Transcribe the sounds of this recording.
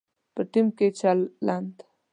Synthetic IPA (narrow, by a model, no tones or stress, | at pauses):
pəʈimket͡ʃalːand̪